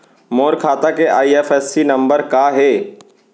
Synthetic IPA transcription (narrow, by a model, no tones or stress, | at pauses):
moːɾkʰaːt̪akeʔaːieːfɛːsːinɐ̃mbəɾkaɦɛː